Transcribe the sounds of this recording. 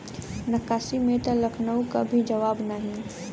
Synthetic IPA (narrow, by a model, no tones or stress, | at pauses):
nɐkaːsimẽt̪alɐkʰnəũkabʱid͡ʒɐʋaːbnəɦĩ